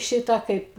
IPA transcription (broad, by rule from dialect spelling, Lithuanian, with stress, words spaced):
ˈʃʲɪtɑː ˈkɐɪp